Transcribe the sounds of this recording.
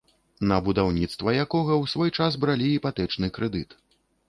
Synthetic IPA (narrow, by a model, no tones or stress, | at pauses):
nɐbud̪awnʲit̪st̪vɐjakɔɣɐwsvɔjt͡ʂazbɾalʲiipat̪ɛt͡ʂnɨkɾɛd̪ɨt̪